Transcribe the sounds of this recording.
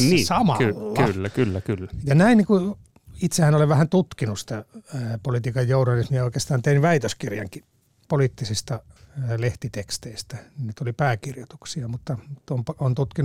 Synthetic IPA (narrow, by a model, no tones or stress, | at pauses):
niːsɑmɑ̰lːylːækylːækylːæjɑnæinniku | it̪sehænoleʋæhænt̪ut̪kinussi̥t̪æpolit̪iːkɑjjouhnɑlismijɑoikeːst̪ɑːnt̪einʋæit̪øskirjɑ̰ŋki | poliːt̪ːisist̪ɑleht̪it̪ekst̪eist̪æninnit̪olipæːkirjot̪u̥ksiɑmut̪ːɑt̪ompont̪ut̪kin